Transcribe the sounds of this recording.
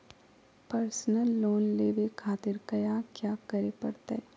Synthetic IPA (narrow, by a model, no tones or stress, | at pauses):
pəɾsnəlːoːnleːʋekʰaːt̪ɪɾkɐjakjaːkɐɾepɐɾt̪aɦɛ